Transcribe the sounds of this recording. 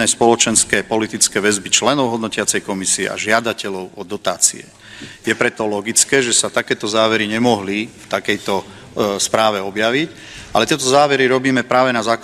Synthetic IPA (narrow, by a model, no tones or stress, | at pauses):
ɛspɔlɔt͡ʃɛnskɛːpɔlit̪it͡skɛːʋɛzbit͡ʃlɛnɔʊɦɔd̪nɔcɪat͡sɛjkɔmisiɛ̰a̰ʒɪad̪acɛlɔʊɔd̪ɔt̪a̰ːt͡sḭɛ | jɛpɾɛt̪ɔlɔɡit͡skɛːʒɛsat̪akɛːt̪ɔzaːʋɛɾiɲɛmɔɦlift̪akɛjt̪ɔ | spɾaːʋɛɔbjaʋic | ʔa̰lɛt̪jɛt̪ɔzaːʋɛɾiɾɔbiːmɛpɾaːʋɛnazaːk